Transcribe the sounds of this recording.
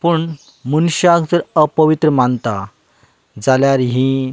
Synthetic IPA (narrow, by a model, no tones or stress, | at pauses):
puɳ | munɕakd͡zəɾəpəʋit̪ɾəmant̪a | d͡zaljaɾɦĩ